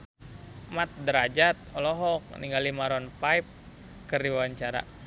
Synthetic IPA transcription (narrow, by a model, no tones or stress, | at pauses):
mat̪̚dəɾad͡ʒat̪̚ɔlɔɦɔk̚niŋɡalimaɾɔnpaip̚ | kərdiwawaɲt͡ʃaɾa̰